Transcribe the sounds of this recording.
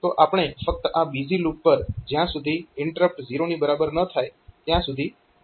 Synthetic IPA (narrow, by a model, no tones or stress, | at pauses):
t̪oʔapəɳ̃efək̚t̪əʔabid͡ʒilukpəɾd͡ʒjãsud̪ʱiɪɳʈəɾəp̚ʈziɾonibəɾabəɾnət̪ʰajt̪jãsud̪ʱi